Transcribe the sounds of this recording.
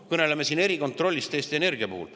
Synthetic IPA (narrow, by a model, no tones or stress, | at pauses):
kɤne̞lemesiːne̞ɾiko̞nt̪ro̞lʲːist̪e̞ːst̪ene̞rɡ̥iɑpuhṵl